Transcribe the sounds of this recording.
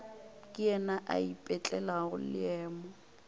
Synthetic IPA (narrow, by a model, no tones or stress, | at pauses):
kʼɪɛnaʔa̰ipʼɛt͡ɬʼɛlaɣʊ̰lɪɛːmɔ